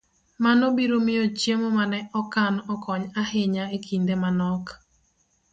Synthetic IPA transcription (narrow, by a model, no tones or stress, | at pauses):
manobiɾomɪot͡ʃjemomanɛʔɔkanɔkɔɲahɪɲaekʰind̪emanɔk